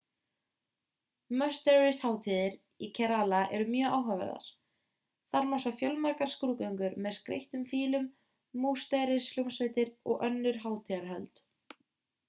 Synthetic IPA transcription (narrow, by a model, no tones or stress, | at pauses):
mœst̪ɛɾɪst̪haːwt̪ʰiːðɪɾ | icʰɛɾalaʔɛ̰ɾʏmjœːaːwɦavɛ̰ɾða̰ɾ̥ | θaɾmɔsafjœlmaɾkaɾ̥skɾuːkœjŋkʏɾmɛðskɾḛjht̪ʏmfiːlʏmː | uːst̪ajɾɪsljumsveːt̪ɪɾɔ̰ɣʔœnːʏɾ̥ɦaːwt̪ʰiðaɾɦœlt̪